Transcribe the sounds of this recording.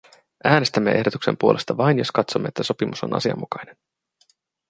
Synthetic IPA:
ʔæːne̞st̪æmːe̞ʔe̞hdo̞t̪ukse̞mpuolʔe̞st̪ɑʋɑjnjo̞skɑt̪so̞mːeet̪ːæso̞pimusonɑ̰siɑ̰mːukɑjne̞n

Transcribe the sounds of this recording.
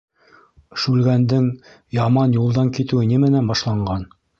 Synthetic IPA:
ʃʉlɡænd̪ɘŋ | jɑmɑnjulˠd̪ɑŋkit̪ɘwɘnimɘ̆nænbɑʃlˠɑɴɢɑn

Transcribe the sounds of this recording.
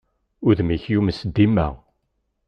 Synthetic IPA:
ʊðmiçjuməsd̪imæ̰

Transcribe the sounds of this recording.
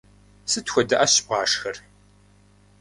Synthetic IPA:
sɨtxʷɔdɐʔɐɕp̚ʁɑːʂxɐr

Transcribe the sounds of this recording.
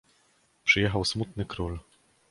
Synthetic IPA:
pʂɘjɛxawsmut̪nɘkɾul

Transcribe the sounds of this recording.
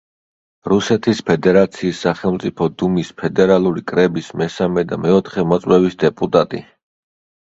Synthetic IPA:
ɾusɛt̪ʰispʰɛd̪ɛɾat̪sʰiːsːaχɛlˠmt̪sʼipʰɔd̪umispʰɛd̪ɛɾalˠuɾikʼɾɛbismɛsamɛd̪a̰mɛɔt̪ʰχɛmɔt̪sʼwɛbisd̪ɛpʼut̪ʼat̪ʼḭ

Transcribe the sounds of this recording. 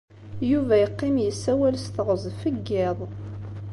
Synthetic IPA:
juvæjəqːɪmjəsːæwælst̪əʁəzˤfəɡːɪðˤ

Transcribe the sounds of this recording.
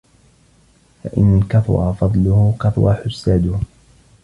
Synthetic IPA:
fa̰ʔɪnːalkaθʊ̰ɾˤɑfɑd̪ˤlʊhʊkaθʊwɑħʊsːaːd̪ʊh

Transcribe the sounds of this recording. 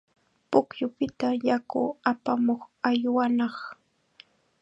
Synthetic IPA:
pʊkjʊpɪt̪ajakʊapamoχajwanɑχ

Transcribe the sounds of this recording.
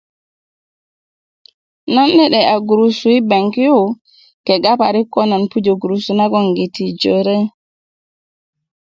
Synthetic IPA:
nanːɛɗɛaɡuɾusuwibaŋkijɔ | kɛɡapaɾikɔnanpud͡ʒoɡuɾusunaɡɔŋɡitid͡ʒɔɾɛ

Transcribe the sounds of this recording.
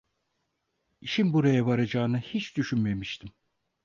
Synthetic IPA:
iʃimbuɾajaβaɾad͡ʒaːɯnɯhit͡ʃd̪yʃynme̞miʃt̪ʰim

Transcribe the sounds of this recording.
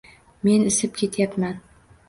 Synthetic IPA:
menɪ̆sɪp̚kʲet̪japmæn

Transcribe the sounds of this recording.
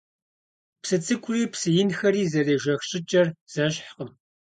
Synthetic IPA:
psɨt͡sʼɨkʷʼʊriːpsɨjɪnxɐɾiːzɐreːʒɐxɕʼɪt͡ʃʼɐrz̥ɐɕħqəm

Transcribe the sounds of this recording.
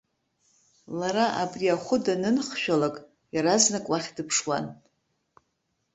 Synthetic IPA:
laɾaʔa̰briaχʷʊdanɨnχʃᶣalakʼ | jaɾaznakʷʼwaχʲdɨpʰʂwa̰n

